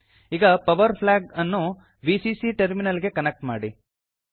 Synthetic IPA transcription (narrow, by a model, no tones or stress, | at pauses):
iːɡɐpɐʋɐɾpʰlaːɡɐnːu | ʋisisiʈeɾminɐlɡe̞kɐnek̚ʈmaːɽi